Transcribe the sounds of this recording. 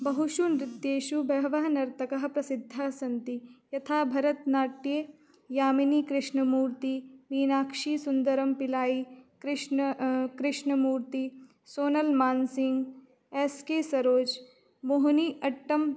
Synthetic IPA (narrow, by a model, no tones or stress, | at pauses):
bɐɦuʃunɾɪt̪ːjeːʃubɐɦʋɐɦnɐɾt̪ɐkɐɦɐ̆pɾɐsɪd̪ʱːaːsɐ̃nt̪ijɐt̪ʰaːbʱɐɾɐt̪naːʈje | jaːminiːkɾɪʃɳəmuːɾt̪iʋiːnaːkʃiːsʊnd̪ɐɾɐmpɪlaːikɾɪʃkɾɪʃɳəmuːɾt̪i | soːnɐlmaːnsɪŋɡ | eːskeːsɐɾoːd͡ʒ | boɦniːʔɐʈːɐm